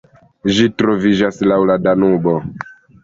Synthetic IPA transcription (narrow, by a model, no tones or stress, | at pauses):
ʒitɾovid͡ʒaslawladanubo